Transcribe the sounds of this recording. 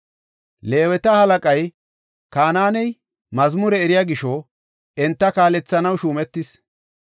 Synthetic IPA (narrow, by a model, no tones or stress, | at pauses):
le̞ːwɛt̪ɐhɐlɐkʼɐj | kaːnaːnɛj | mɐzmʊɾɛːɾɪjaːɡɪʃɔ | ɛnt̪ːɐkaːlɛt͡sːɐnɐwʃuːmɛt̪ːɪs